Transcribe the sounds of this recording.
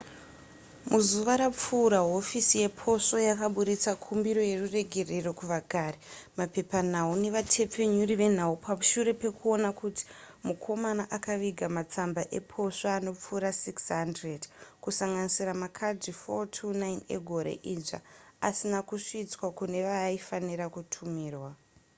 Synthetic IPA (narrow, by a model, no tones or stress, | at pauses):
muzuʋaɾap͡fuːɾaɦo̞fisije̞pʰo̞ʂojakaɓuɗit͡sakʰumbiɾo̞je̞rure̞ɡʱe̞re̞ro̞kuʋaɡʱaɾemape̞panaune̞ʋatʰe̞p͡fe̞ɲuriʋe̞n̤aupaʃuɾe̞pe̞kuo̞nakuti̥ | mukʰo̞manaʔakaʋiɡʱamat͡sambaʔe̞pʰo̞soano̞p͡fuːɾasiksɦandredkusaŋɡanisiramakʰad͡zifotʰunaine̞̰ɡʱo̞ɾe̞̰ʔiʐa̰a̰sinakuʂit͡swakune̞ʋaifaniɾakutʰumiːrwa